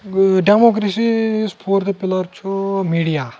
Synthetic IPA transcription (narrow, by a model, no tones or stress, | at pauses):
ɖemok̬ɾesispʰoːɾt̪epɪləɾt͡ʃʰumiːɖijaː